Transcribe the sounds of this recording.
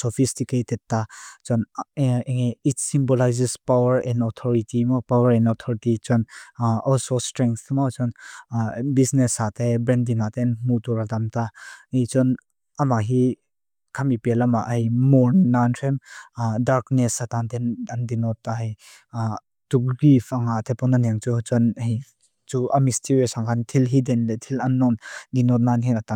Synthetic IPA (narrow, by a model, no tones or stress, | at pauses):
sɔfistiketɛd̚tat͡ʃɔn | itsimbɔlajzispawəɾɛ̃ndɔt̪ʰɔɹitimɔpawəɾɛ̃nɔt̪ʰɔɾitit͡ʃɔnɔlsostɾɛ̃ŋkt̪ʰmɔt͡ʃɔn | bisnɛsat̪ebɾɛndinat̪ɛnmut̪ɔɾad̪amt̪ait͡ʃɔn | ɐmaɦi | kʰamipɛlamaʔjmɔɹnːantʰɛmdaɾknɛsat̪ant̪ɛnɐndinɔtːaɦi | t̪uk̚ɡifaŋat̪ʰɛpɔnanɛŋt͡sut͡sɔnɦi | t͡suʔɐmist̪ʰiwɛsaŋkʰant̪ʰilɦidɛnlɛt̪ʰilɐnːɔndinɔt̪̚nanɦinat̪a